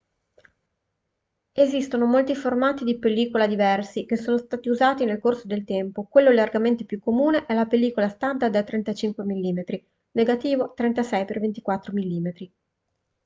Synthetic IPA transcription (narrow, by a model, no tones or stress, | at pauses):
ezist̪onomolt̪iformaːt̪id̪ipelːiːkolad̪ivɛrsikesːoːnost̪aːt̪iuzaːt̪inelkorsod̪elt̪ɛmpokwelːolarɡament̪epjukːomuːneʔɛlapelːiːkolast̪and̪ad̪at̪ːɾɛnt̪at͡ʃiŋkwemilːiːmet̪ɾi | neɡat̪iːvot̪ɾɛnt̪asɛjpervent̪i̥kwat̪ːɾomilːiːmet̪ɾi